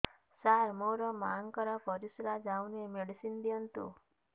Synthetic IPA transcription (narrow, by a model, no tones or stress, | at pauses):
saɾmɔɾɔmaŋkəɾɔpɔɾisɾad͡ʒawnemeɽisind̪iənt̪ṵ